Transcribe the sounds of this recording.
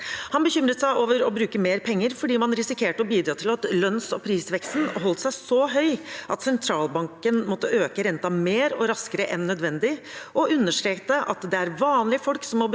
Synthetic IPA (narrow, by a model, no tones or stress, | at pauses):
hɑnbəçʏmɾət̪sæɪʔoːʋəɾɔbɾʉːkəmeːɾpʰɛŋːəɾfɔɖiːmɑnɾɪsɪkʰeːʈɔbiːd̪ɾɑːt̪ʰɪlɑt̪lœnsɔpʰɾiːsʋɛkst̪n̩ɦɔlt̪sæɪsɔɦœʏʔɑt̪sɛnt̪ʰɾɑːlbɑŋkənmɔt̪ːəøːkəɾɛnt̪ɑmeːɾɔɾɑskəɾəʔɛnːœd̪ʋɛnd̪ɪ | ʔɔʉnːəʂʈɾeːk̚t̪əʔɑt̪d̪ɛæɾʋɑːnlɪəfɔlksɔmːɔb